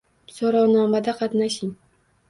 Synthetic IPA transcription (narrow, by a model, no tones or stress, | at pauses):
soɾawnɒmad̪aqʰɑt̪naʃɪŋ